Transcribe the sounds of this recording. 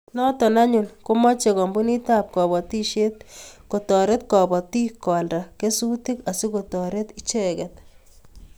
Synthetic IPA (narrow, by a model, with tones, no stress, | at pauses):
nɔ˦tɔ˨na˦ɲu˨nko˦mɔ˦t͡ʃe˨kɔ˨mbu˦ni˦ta˦p̚kɔ˨bɔ˨ti˦ʃe˦t̪̚ko˨tɔ˨ɾe˦t̪kɔ˨bɔ˨ti˦kɔ˨lda˨ke˦su˦ti˦ka˨si˦ko˨tɔ˨ɾe˦t̪i˦t͡ʃɛ˦kɡɛt̪̚